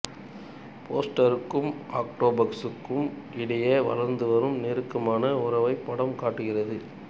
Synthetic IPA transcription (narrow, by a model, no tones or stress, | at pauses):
pʰoːsʈɐɾɯkːɯmaːk̚ʈoːbɐksɯkːɯmʔɪɽɐjeːʋɐ̰lɐɾnd̪ɯʋɐɾɯmneːɾɯkːɐmaːnɐʊɾɐʋɐɪpːɐɽɐmkaːʈːɯɣɪrɐðɯ